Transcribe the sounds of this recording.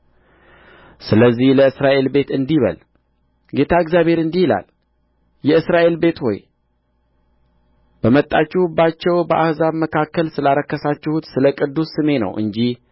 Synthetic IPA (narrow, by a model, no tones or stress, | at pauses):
sɨləzːihləɨsɾaʔe̞lbe̞t̪ɨnd̪iβə̰l | ɡe̞t̪ʰaɨɡzjaβhe̞ɾɨnd̪ihila̰l | jɛɨsɾaʔe̞lbe̞t̪ho̰j | b̥əmət̪ʼːat͡ʃːɛhbat͡ʃːɛwbəʔahzaβməkʰakːəlsɨlaɾəkːəsat͡ʃːɪhut̪sɨləkʼɨd̪ːusːɨme̞nə̰wʔɨ̰ɲd͡ʒih